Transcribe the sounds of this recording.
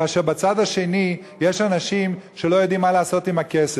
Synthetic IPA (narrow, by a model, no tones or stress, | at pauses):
aʃeʁbat͡sad̪aʃe̞ni | je̞ʃanaʃimʃe̞lo̞jo̞d̪imːaleːso̞t̪imake̞se